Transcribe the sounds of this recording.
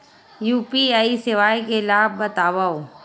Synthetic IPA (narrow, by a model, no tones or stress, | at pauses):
juːpiaːisɪʋaːjkelaːb̚ːɐt̪aːʋao